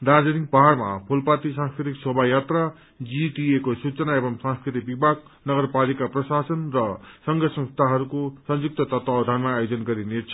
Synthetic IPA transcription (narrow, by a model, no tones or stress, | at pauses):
d̪ad͡zʌnik̚paɦarmapʰulpat̪isãnskɾit̪iksobʱajat̪ra | d͡ziʈiekosut͡sʌnaebʌmsãskɾit̪ik̚bibʱaɡ̚ | nʌɡʌrpalikaprʌsasʌnrʌsʌŋɡʌsʌ̃ŋst̪ʰaɦʌɾukosʌnjuk̚t̪ʌt̪ʌt̪wawd̪ʱanmaːjod͡zʌnɡʌɾinet͡sʰʌ̥